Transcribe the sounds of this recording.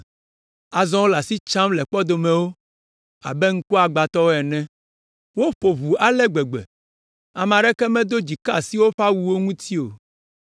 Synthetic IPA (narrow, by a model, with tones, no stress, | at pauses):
a˨zɔ̃˦wo˦la˨si˦t͡ʃã˦mlɛ˨k͡pɔ˦d̪o˨mɛ̃˨wo˦ | a̰˨bɛ˦ŋ̩˦ku˦a˨ɡ͡ba˨t̪ɔ˦wo˦ɛ˨nɛ̃˦ | wo˦ɸo˨βu˨a˨lɛ˦ɡ͡bɛ˨ɡ͡bɛ̰˨ | a˨mã˨ɖɛ˦kɛ˦mɛ̃˦d̪o˦d͡ʑi˨ka˦si˦wo˦ɸa˦wu˦wo˦ŋũ˦t̪ʰi˦o̰˨